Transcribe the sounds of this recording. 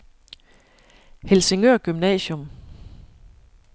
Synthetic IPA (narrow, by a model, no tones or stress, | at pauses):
helse̝ŋøɐ̰ɡ̥ymnɛ̰ːɕɔ̽m